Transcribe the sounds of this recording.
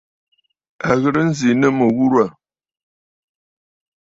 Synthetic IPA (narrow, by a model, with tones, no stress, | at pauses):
a˨ɣə˨ɾə˦n̩˦zi˨nə˦mə˨ɣu˦ɾwa˨